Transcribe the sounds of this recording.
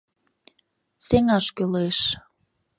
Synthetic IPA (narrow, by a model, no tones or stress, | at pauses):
seŋɑʃkøleʃ